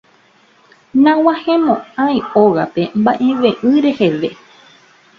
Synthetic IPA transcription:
nãwãhẽmõãĩoɣape̞mbaʔẽ̞ʋẽʔɨ̃ɾe̞he̞ʋe̞

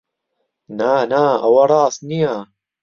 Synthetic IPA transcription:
naːnaːɐwɐɾˤɑːsnija

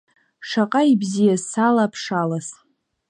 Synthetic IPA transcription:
ʂaqʼaibzijazsalapʰʂalas

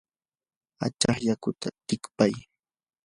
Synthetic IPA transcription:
a̰t͡ʃɑχʎakʊt̪ʰat̪ɪkpaj

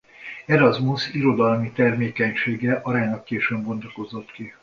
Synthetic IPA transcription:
ɛɾɒzmusiɾo̞d̪ɒlmit̪ɛrmeːkɛɲʃeːɡɛʔɒɾaːɲnɒkːeːʃøːbɡo̞nd̪ɒko̞zo̞t̪ki

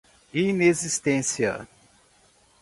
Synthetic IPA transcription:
inezist̪ẽsiɐ̰

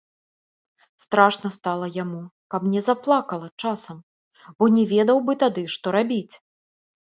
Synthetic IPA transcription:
st̪ɾaʂnɐst̪alˠɐjamukɐpnʲɛzaplˠakɐlˠɐt͡ʂasɐm | bɔnʲɛvʲɛd̪ɐwbɨt̪ad̪ɨʂt̪ɔɾabʲit͡sʲ

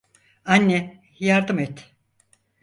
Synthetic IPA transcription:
anʲːɛ | jaɾd̪ɯmɛt̪

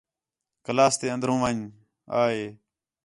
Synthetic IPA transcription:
kəlaːst̪eːə̃nd̪ɾũːʋaɲ | a̰ːɦeː

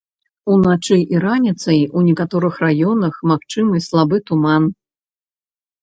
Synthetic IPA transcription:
unat͡ʂɨjʔiɾanʲit̪sɐjunʲɛkat̪ɔɾɨxrajɔnɐxmaxt͡ʂɨmɨslˠabɨt̪uman

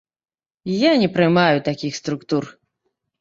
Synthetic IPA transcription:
janʲɛpɾɨmajut̪akʲixst̪ɾukt̪ur

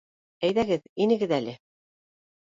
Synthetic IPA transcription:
æjðæɡɘðinɘ̆ɡɘðælɘ

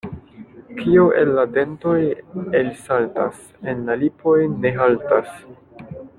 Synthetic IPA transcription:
kʰioʔe̞̰lːade̞nto̞jelisalta̰s | e̞nlalipo̞jne̞ɦaltas

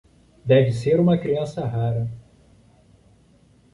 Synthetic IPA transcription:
d̪ɛvɪseɾũmɐkɾiɐ̃sɐɦaɾɐ

